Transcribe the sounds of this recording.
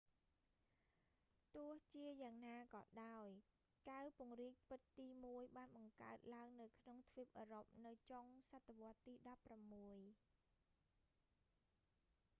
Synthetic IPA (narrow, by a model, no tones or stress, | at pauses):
t̪ʊ̆əht͡ɕiəjaːŋnaːkɑ̰ːɗaɔj | kawpʊ̆əŋriːk̚pɨt̪ːiːmuəjɓaːnɓɑŋka̰ət̪̚laəŋnɨwkʰnoŋt̪ʰʋip̚ʔəːɾop̚nɨwt͡ɕoŋsat̪ʰːeʋŏət̪ːiːɗɑpːramːuəj